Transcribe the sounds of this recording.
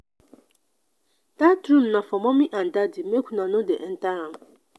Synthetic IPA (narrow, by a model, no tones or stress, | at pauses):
d̥atɾũmnãfɔmɔ̃mĩʔãn̩dadɪmẽkʷʰunãnʊ̃dɛ̰ʔn̩ta